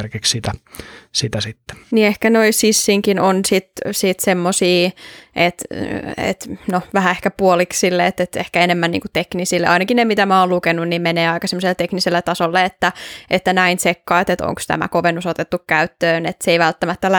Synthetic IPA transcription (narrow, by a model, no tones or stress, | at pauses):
rkikssit̪æsit̪æsit̪ːe̥niehkænoisisːiŋkinonsit̪sit̪semːosiːʔet̪ḛt̪noʋæhæehkæpuoliksilːeet̪ːet̪ḛhkæenemːænnḭːŋkut̪eknisilːḛɑinɑkinemit̪æmæoːllukenunnimmeneːɑikɑsemːoselt̪ekniselːet̪ɑsolːeet̪ːæʔet̪ːænæinsekːɑːt̪et̪o̰ŋkst̪æ̰mæ̰koʋenːusot̪et̪ːukkæyt̪ːøːnet̪seiʋælt̪ːæmæt̪ːæl